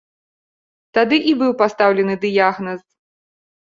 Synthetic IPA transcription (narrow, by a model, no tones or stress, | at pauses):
t̪ad̪ɨʔibɨwpast̪awlʲɛnɨd̪ɨjaɣnɐs